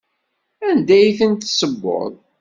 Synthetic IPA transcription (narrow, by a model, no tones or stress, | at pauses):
ænd̪æjθənt̪səbːo̰ðˤ